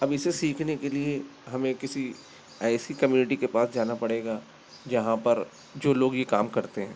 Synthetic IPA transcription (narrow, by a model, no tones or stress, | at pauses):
ɐbɪsesiːkʰnekelieɦɐmẽkɪsi | ɛːsikɐmjuːnɪʈikepaːsd͡ʒaːnapɐɽeːɡa | d͡ʒɐɦãpɐɾ | d͡ʒoːloːɡjeka̰ːmkɐɾt̪eɦɛ̃ː